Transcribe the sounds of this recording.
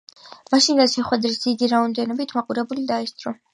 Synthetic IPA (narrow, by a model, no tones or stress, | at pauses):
maʃind̪at̪ʃɛχwɛd̪ɾisd̪zid̪iɾaɔmd̪ɛnɔbit̪ʰmaqʼuɾɛbulid̪aɛst̪sʼɾɔ